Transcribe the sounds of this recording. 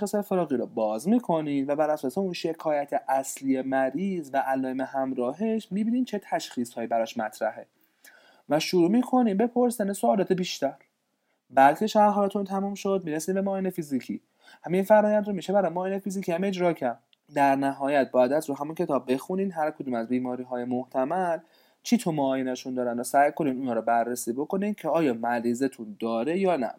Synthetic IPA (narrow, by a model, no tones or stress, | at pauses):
xisɑjefeɾɒːɣiːɾɔbɒːzmiːkʰo̞niːnvæbæɾæsɒːseunʃe̞kʰɒːjæt̪ʰeʔæsliːemæɾiːzvæʔːlɒːemehæmɾɒːɦe̞ʃmiːbiːniːmt͡ʃʰe̞t̪ʰæʃxiːshɒːjiːbæɾɒʃmæt̪ʰɾæ̰ɦe̞ | væʃuɾuːmiːkʰo̞niːmbe̞pʰo̞ɾsænesoːlɒːt̪ʰebiːʃt̪æɾ | bæd̪cʰe̞ʃæɾɦæɾæt̪ʰunt̪ʰæmumʃo̞d̪̚miːɾesiːnbemɒːinefizicʰḭː | hæminfæɾɒːjænd̪ɾomiːʃebæɾɒjmɒːjinefiziːcʰiːæme̞d͡ʒɾɒːcʰæɾd̪̚ | d̪æɾnæɦɒːjæt̪̚bɒːjæd̪æt̪ɾoɦæmuncʲʰe̞t̪ʰɒːb̚ːe̞xuniːd̪ɦæɾkʰod̪uːmæzbiːmɒːɾiːɦɒːje̞moht̪ʰæmæl | t͡ʃʰit̪ʰomɒːjinæʃund̪ɒːɾænd̪osæːjko̞niːd̪uːnɒːɾobærːesiːbo̞ko̞nincʰeɒːjɒːmæɾiːzet̪ʰund̪ɒːɾejɒːnæ̰